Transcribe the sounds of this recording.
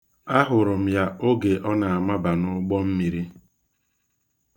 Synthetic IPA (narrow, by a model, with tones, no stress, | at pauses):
a˦ɦʊ˨ɾʊ˨m̩˨ja˦o˦ɡe˨ʔɔ˦na˨a˨ma˦ba˨nʊ˦ɡ͡bɔ˦m̩˦mi˨ɾi˦